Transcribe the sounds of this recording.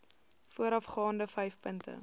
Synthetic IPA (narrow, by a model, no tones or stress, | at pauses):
fuəɾɐfχɑːndəfɛjfpəntə̰